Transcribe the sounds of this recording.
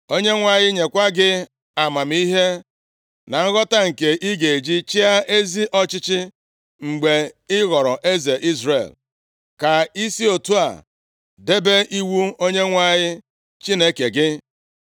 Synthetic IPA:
o˦ɲe˦ŋʷa˦ɲɪ˦ɲe˨kʷa˦ɡɪ˦ | a˨ma˨m˦i˦ɦe˦ | na˨ŋ̩˦ɣɔ˦ta˦ŋ̩˨ke˨ʔi˦ɡe˨e˨d͡ʒi˦t͡ʃi˦a˦ʔe˦zi˦ʔɔ˦t͡ʃɪ˦t͡ʃɪ˦ | ŋ͡m̩˨ɡ͡be˨ɪ˦ɣɔ˨ɾɔ˨ʔe˦ze˨ʔi˦zɾḛ˨l | ka˨i˦si˦o˨tu˦a̰˨ | de˦be˦ʔi˦wu˦o˦ɲe˦ŋʷa˦˨ɲɪ˦ | t͡ʃi˦ne˦ke˨ɡɪ˦

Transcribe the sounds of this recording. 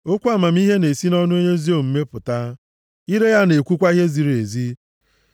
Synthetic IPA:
o˦kʷu˦a˨ma˨m̩˦i˦ɦe˦ne˨si˦nɔ˦nʊ˦o˦ɲe˦zi˦o˦˨m̩˦me˦pʊ˨ta˦ | i˦ɾe˦ja˦ne˨kʷu˦kʷa˦i˦ɦe˦zi˨ɾe˨zi˦

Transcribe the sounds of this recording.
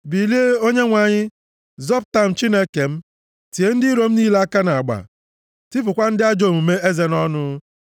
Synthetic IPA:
bi˨li˦e˦o˦ɲe˦ŋʷa˨ɲɪ˦ | zɔ˦p̚ta˦m̩˨t͡ʃi˦ne˦ke˨m̩˦ | ti˨e˦n̩˦dɪ˦ɾo˦m̩˦niː˦le˦a˦ka˦na˨a˨ɡ͡ba̰˨ | tɪ˦pʊ˨kʷa˦n̩˦dɪ˦a˦d͡ʒo˨mu˨me˦ʔe˦ze˨nɔ˦nʊ˦

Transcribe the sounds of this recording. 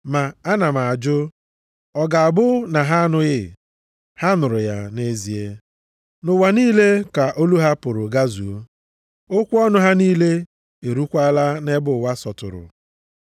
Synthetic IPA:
ma˨a˦na˨ma˨a˨d͡ʒʊ˦ | ɔ˨ɡa˨a˨bʊ˦na˨ɦa˦a˦nʊ˦ɣɪ˦ | ha˦nʊ˨ɾʊ˨ja˦ne˦zi˨e˦ | nʊ˨wa˨niː˦le˦ka˨ʔo˦lu˦ɦa˦pʊ˨ɾʊ˨ɡa˦zu˨o˦ | o˦kʷu˦ɔ˦nʊ˦ɦa˦niː˦le˦ | e˨ɾu˦kʷa˦la˦ne˦bʊ˨wa˦sɔ˨tʊ̰˨ɾʊ̰˨

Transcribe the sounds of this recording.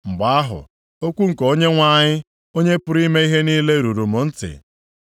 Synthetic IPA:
ŋ͡m̩˨ɡ͡ba˨a˦ɦʊ̰˨ | o˦kʷu˦ŋ̩˨ko˦ɲe˦ŋʷa˦˨ɲɪ˦ | o˦ɲe˦pʊ˦ɾi˦me˦i˦ɦe˦niː˦le˦ɾu˨ɾu˨mʊ˨n̩˦tɪ̰˨

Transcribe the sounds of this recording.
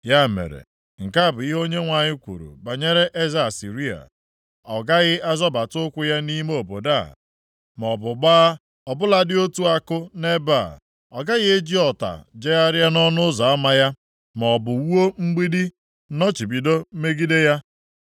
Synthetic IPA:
ja˦mḛ˨ɾḛ˨ | ŋ̩˨ka˦˨bʊ˨i˦ɦo˦ɲe˦ŋʷa˨ɲɪ˦kʷṵ˨ɾṵ˨ba˨ɲe˦ɾe˦ʔe˦za˦˨si˨ɾi˦a̰˨ | ɔ˨ɡa˦ɣɪ˦ʔa˦zɔ˦ba˨tʊ˦kʷʊ˦ja˦ni˦me˦o˨bo˨da̰˦˨ | m˨ɔ˨bʊ˨ɡ͡baː˦ | ɔ˨bʊ˦la˨dɪ˦o˦tu˦a˦kʊ˦ne˦ba˦˨ | ɔ˨ɡa˦ɣɪ˦e˦d͡ʒi˦ɔ˨ta̰˨d͡ʒe˦a˦ɾja˦nɔ˦nʊ˦zɔ˨a˦ma˦ja˦ | mɔ˨bʊ˨wu˦o˦ŋ͡m̩˦ɡ͡bi˦di˦ | nɔ˦t͡ʃi˨bi˨do˦m̩˦me˦ɡi˦de˦ja˦

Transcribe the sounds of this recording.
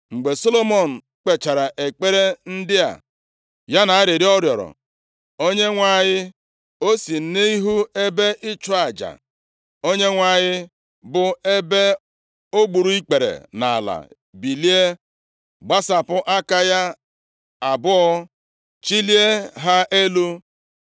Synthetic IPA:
ŋ͡m̩˨ɡ͡be˨so˦lo˦mo˨n̩˨ | k͡pe˨t͡ʃa˨ɾa˨ʔe˨k͡pe˦ɾe˦n̩˦dɪ˦a̰˨ | ja˦na˨a˦ɾi˨ɾi˦ɔ˦ɾjɔ˨ɾɔ̰˨ | o˦ɲe˦ŋʷa˨ɲɪ˦ | o˦si˨n̩˦ne˦i˦ɦu˦e˦be˦ʔɪ˦t͡ʃɔ˦a˨d͡ʒa̰˨ | o˦ɲe˦ŋʷa˨ɲɪ˦ | bʊ˨e˦be˦ | o˦ɡ͡bu˨ɾu˦i˦k͡pe˨ɾḛ˨na̰˨a̰˨la̰˨ | bi˨li˦e˦ | ɡ͡ba˦sa˨pʊ˦ʔa˦ka˦ja˦ | a˨bʊ˦ɔ˦ | t͡ʃi˦li˦e˦ɦa˦ʔe˦lu˦

